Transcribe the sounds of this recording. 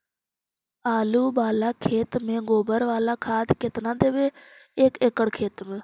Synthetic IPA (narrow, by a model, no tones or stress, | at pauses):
aːluːbaːlaːkʰeːt̪mẽːɡoːbəɾʋaːlaːkʰaːd̪kɪt̪nãːd̪eːbeː | ɪkɪkəɽkʰeːt̪mẽː